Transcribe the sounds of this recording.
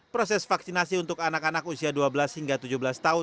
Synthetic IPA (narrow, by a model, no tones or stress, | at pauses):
pɾosɛsfaksinasiunt̪ʊkanakanakusiaduabəlashiŋɡat̪ud͡ʒuhbəlast̪aʊ